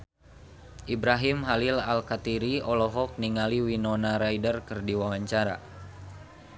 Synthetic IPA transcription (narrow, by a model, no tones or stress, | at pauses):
ʔibɾaɦimɦalilalkat̪iɾiɔlɔɦɔk̚niŋaliwinɔnaɾaidərkɨrdiwawaɲt͡ʃaɾa̰